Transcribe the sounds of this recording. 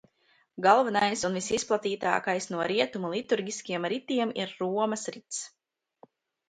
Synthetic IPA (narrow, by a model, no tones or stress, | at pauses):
ɡalˠvanajsunvisisplˠat̪iːt̪a̰ːkajsnuɔɾiɛt̪umulˠit̪uɾɡʲiskʲiɛmɾit̪iɛmiɾːuɔmɐsɾit̪s